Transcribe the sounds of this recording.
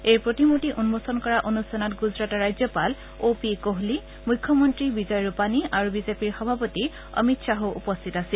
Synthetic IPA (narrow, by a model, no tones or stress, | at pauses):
ejpɹotimotiʔunmosɔnkɔɹaʔonusanatɡuzɹatɔɹajzjɔpal | opikoɦli | mujkʰːɔmɔntɹibizɔjɹupaniaɹubizepiɹxɔbʱapɔti | ɔ̰mitsaɦoʔṵpɔst̪ʰitasil